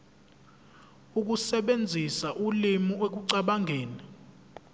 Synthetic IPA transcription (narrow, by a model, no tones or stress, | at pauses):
uk̬usɛɓend͡zʱisaʔulimiek̬uǀaɓaŋʱeːni